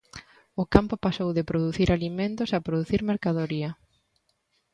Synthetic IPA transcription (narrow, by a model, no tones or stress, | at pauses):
ʊkampʊpasowðɪpɾoðuθiɾʔalimẽnt̪ʊsɐpɾoðuθiɾmeɾkaðoɾiɐ